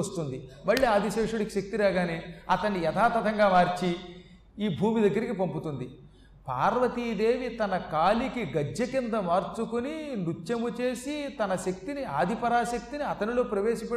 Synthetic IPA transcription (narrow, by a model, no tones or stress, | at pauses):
st̪und̪imɐɭːiːaːd̪iʃeːʂuɽɐkiʃɐk̚t̪iɾaːɡaːneːɐt̪ɐnːiɛt̪ʰaːt̪ɐt̪ʰɐŋɡaːmaːɾt͡ʃi | iːbʱuːmid̪ɐɡːɐɾikipɐmput̪und̪i | paːɾʋɐt̪iːd̪e̞ːʋit̪ɐnɐkaːlikiɡɐd͡ʒːɐkind̪ɐmaːɾt͡ʃukuninut͡ʃːjɐmut͡ʃe̞ːsit̪ɐnɐʃɐk̚t̪iniaːd̪ʱipɐɾaːʃɐk̚t̪iniɐt̪ɐnilo̞ːpɾɐʋe̞ːʃɐpe